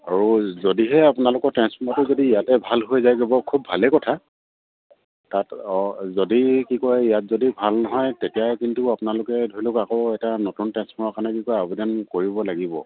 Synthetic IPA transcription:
aɹuzodiɦɛapʊnalʊkɔɹtɛnspʰɔmatʊzodiːjatɛbʱalɦojzajɡebɔkʰubʱalɛkɔtʰa | tatzodikikɔjijat̚zodibʱalnɔɦɔjtetijakintuapʊnalʊkɛdʱoɹilokakoʊɛtanotuntɛnspʰɔmakanɛkikɔabʱidɛnkoɹibɔlaɡibɔ̰

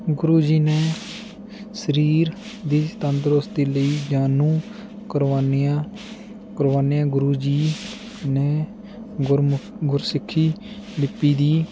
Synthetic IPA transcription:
ɡʊɾuːd͡ʒiːneː | səɾiːɾ | d̪iːst̪ənd̪ɾost̪iːləiːd͡ʒaːnũː | kəɾʋaːna | kəɾʋaːnejãːɡʊɾuːd͡ʒiː | neː | ɡʊɾsɪkʰːiː | lɪpːiːd̪iː

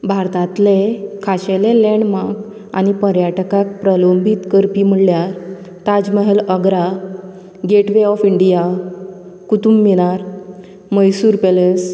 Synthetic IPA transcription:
bʱaɾt̪ãt̪lekʰaɕeleleɳɖmak | a̰ñipəɾjaʈkak̚pɾəlombʱit̪kəɾpim̤əɽljaɾ | t̪ad͡zməɦeləɡɾa | ɡeʈʋeɔfiɳɖija | kut̪umːiɽ̃aɾ | məjsuːɾpeles

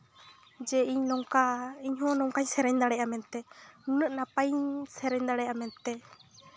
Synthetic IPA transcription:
d͡ʒɛiɲnɔŋkaiɲɦɔ̃nɔŋkaɲsɛɾɛɲd̪aɽɛʔamɛnt̪ɛunəʔnapaɲsɛɾɛɲd̪aɽɛjʔamɛnt̪ɛ

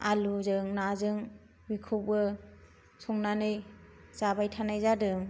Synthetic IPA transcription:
aluzɯŋnazɯŋ | bikʰup̚ɯ | sɔŋnanɯjzabajtʰanajzadɯŋ

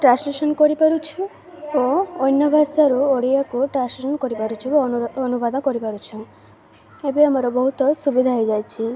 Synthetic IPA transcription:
ʈɾãnsmesɔnkɔɾipaɾut͡ʃʰu | oɔjnɔbʱasaɾuoɽiakuʈɾãnslisɔnɔkɔɾipaɾut͡ʃʰiboɔɔnubad̪nkɔɾipaɾut͡ʃʰɔ̃ | ebiamɔɾɔbɔɦut̪ɔsubid̪ʱaɦɔjd͡ʒajt͡ʃʰi

